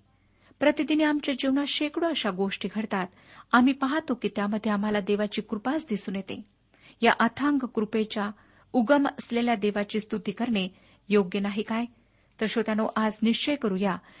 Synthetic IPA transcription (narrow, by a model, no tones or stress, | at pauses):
pɾət̪id̪iniːamt͡ɕjad͡ʑiʋnaɕekɽoəɕaɡoʂʈiːɡʱəɽt̪at̪ | am̤iːpaɦat̪okiːt̪jaməd̪ʱːjeam̤alad̪eʋat͡ɕiːkɾupasd̪isuːnjet̪ḛ̃ | jaʔət̪ʰãŋɡkɾupet͡ɕja | uɡəməsleljad̪eʋat͡ɕiːst̪ut̪iːkəɾɳe | joɡjənaɦikaj | t̪əɾɕot̪anoʔad͡zniɕt͡ɕəjkəɾuːja